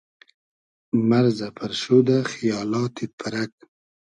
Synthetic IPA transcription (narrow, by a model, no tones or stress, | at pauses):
maɾzapʰaɾʃud̪axijɑːlɑːt̪ipʰaɾak̚